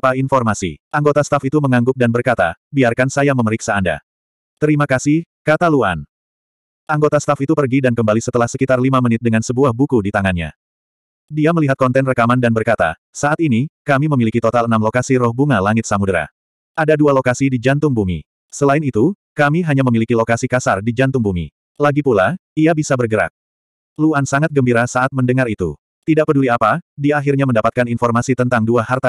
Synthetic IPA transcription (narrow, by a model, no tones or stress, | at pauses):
painfɔrmasḭʔaŋɡot̪ast̪afit̪uməŋaŋɡʊp̚danbərkat̪a̰biarkansajaməməɾiksaːnda̰ | t̪əɾimakasɪhkat̪alua̰n | ʔaŋɡot̪ast̪afit̪upərɡidankəmbalisət̪əlahsəkit̪arlimamənɪt̪̚dəŋansəbuahbukudit̪aŋanɲa̰ | diaməliɦat̪̚kɔnt̪ɛnrəkamandanbərkat̪a̰ | saat̪inikamiməmilikit̪ot̪alənamlokasiɾɔhbuŋalaŋɪt̪̚samudɾa̰ | ʔadadualokasidid͡ʒant̪ʊŋbumi | səlaɪnit̪u | kamiɦaɲaməmilikilokasikasardid͡ʒant̪ʊŋbumḭ | laɡipulaiabisabərɡəɾa̰k̪̚ | luansaŋat̪̚ɡəmbiɾasaat̪̚məndəŋaɾit̪ṵ | t̪idaʔpəduliapadiaɦirɲaməndapat̪̚kaninfɔrmasit̪ənt̪aŋduahart̪a